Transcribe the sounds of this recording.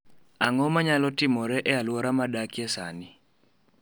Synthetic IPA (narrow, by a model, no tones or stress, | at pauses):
aŋɔmaɲalɔtɪmɔɾɛʔɛalwɔɾamadakjɛsa̰nɪ